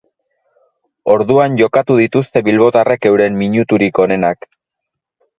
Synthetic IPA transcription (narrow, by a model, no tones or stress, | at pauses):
o̞ɾðuanʝo̞kat̪uðit̪ust̪e̞βilβo̞t̪are̞ke̞wɾe̞mːiɲut̪uɾiko̞ne̞nak